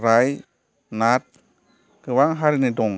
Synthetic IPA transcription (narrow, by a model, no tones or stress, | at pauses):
ɾaj | nat̪̚ | kʰɯwaŋɦaɾinadoŋ